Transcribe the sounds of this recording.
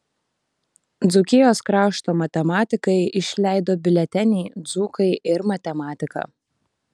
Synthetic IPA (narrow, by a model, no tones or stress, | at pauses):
d̪zʊkʲɪjoːskɾɑːʃt̪oːmɐt̪ʲɛmɑːt̪ʲɪkɐɪʔɪʃʲlʲæˑɪd̪oːbʲɪlʲɛt̪ʲɛnʲiːd̪zuːkɐɪʔɪɾmɐt̪ʲɛmɑːt̪ʲɪkɑ̰ː